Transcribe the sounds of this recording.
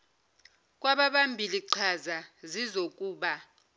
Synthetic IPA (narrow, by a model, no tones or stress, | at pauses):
k̬ʼwaɓaɓambʱiliǀʰazazizokʼuːɓa